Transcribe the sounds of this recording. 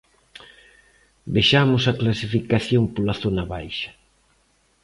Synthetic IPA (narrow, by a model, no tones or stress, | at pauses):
beʃamʊsɐklasifikaθjompolaθonaβajʃɐ̥